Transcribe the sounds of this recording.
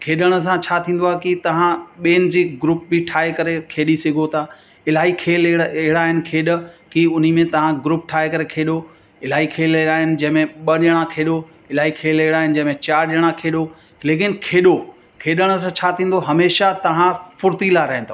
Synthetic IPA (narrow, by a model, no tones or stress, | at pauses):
kʰeːɗəɽ̃ə̆s̬ãt͡ɕʰaːt̪ʰĩːn̆d̪oaːɦekit̪ɐʋ̤ãɓeːnɪd͡ʑiːɡɾuːp̚bɪʈʰaːɦekɐɾekʰeːɗisɪɡʱot̪ʰaː | ɪlaːɦikʰeːleɦɪɽaːɦɪnɪ̆kʰeːɗ̆kiʊn̤imẽt̪ɐʋ̤ãɡɾuːp̚ʈʰaːɦekɐɾekʰeːɗo | ɪlaːɦikʰeːleaːɦɪnɪ̆d͡ʑɐ̃ɦɪ̃mẽɓɐɗəɽ̃ãkʰeːɗo | ɪlaːɦikʰeːleɦɪɽaːɦɪnɪ̆d͡ʑɐ̃ɦɪ̃mẽt͡ɕaːɾʄəɽ̃akʰeːɗo | leːkɪnkʰeːɗo | kʰeːɗəɽ̃ə̆s̬ãt͡ɕʰaːt̪ʰĩːn̆d̪oɦɐmeːʃat̪ɐʋ̤ãfʊɾt̪ilaɾɐɦɪ̃nd̪o